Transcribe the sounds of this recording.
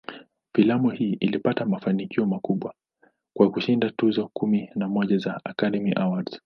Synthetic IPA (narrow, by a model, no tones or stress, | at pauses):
filamuhiːʔilipatamafanikiɔmakuɓwa | kwakuʃindatuzɔkuminamɔʄazaakaɗɛmiʔawaɾz